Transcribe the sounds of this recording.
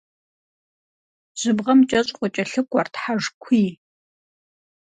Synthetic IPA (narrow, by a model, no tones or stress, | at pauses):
ʑ̥ɨbʁɐmt͡ʃʼɐɕʼqʷʼɔt͡ʃʼɐɬɨkʷʼɔrtħaʒkʷʰiː